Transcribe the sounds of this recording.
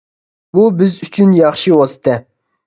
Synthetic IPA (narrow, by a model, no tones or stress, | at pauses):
bubɪzyt͡ʃʰynjɑχʃiwɑsɨ̥t̪ʰɛ